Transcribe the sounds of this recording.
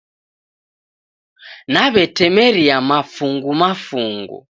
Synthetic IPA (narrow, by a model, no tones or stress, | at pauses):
naβɛtɛmɛɾiamafuŋɡumafuŋɡṵ